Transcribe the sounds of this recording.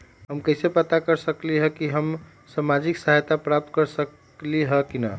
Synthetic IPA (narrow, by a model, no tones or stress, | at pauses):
ɦəmkəjsepət̪akəɾsəkliɦəkiɦəm | samad͡ʒiksaɦajt̪apɾap̚t̪̚kəɾsək | liɦəkina̰